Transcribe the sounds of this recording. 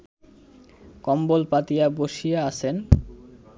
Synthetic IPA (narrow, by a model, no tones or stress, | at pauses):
kɔmbolpat̪ijaboʃijaaʃʰen